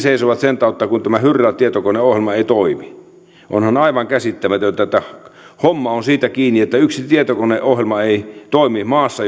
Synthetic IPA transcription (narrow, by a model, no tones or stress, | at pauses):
seisoʋɑt̪sent̪ɑˑut̪ːɑkunt̪æmæhyrːælt̪iet̪okoneohjelmɑeit̪oimi | ʔo̰nhɑnɑiʋɑŋkæsit̪ːæmæt̪øt̪ːæt̪ːæ | homːɑonsiːt̪ækiːnːiet̪ːæyksit̪iet̪okoneʔohjelmɑeit̪oˑimimɑːsːɑ